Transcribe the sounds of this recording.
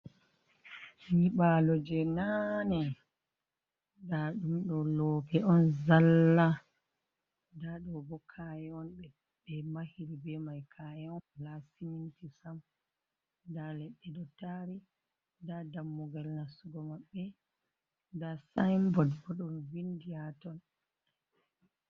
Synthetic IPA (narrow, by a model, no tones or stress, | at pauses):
ɲiɓalɔd͡ʒɛnanɛ | daɗumɗɔlɔkɛɔnzalːa | daɗɔbɔkʰajɛɔnɓɛ | bɛmahiɾibɛmajkʰajɛɔnlasimintisam | dalɛɗːɛɗɔtaɾi | dadamːuɡalnasuɡɔmaɓːɛ | dasajmbɔdbɔɗɔnvindiatɔn